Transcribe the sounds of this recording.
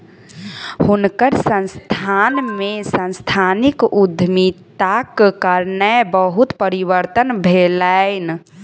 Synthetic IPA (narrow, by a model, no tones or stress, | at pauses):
hunkəɾsə̃nst̪ʰanmesə̃nst̪ʰanikud̪ʱmit̪akkəɾnəbəɦut̪pəɾiwəɾt̪ənbʱelaɪn